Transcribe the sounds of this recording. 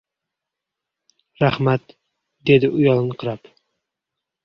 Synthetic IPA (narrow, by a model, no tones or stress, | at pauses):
ɾahmat̪ | d̪e̞d̪ɪʔʊjɒlˠnɪqʰɨɾap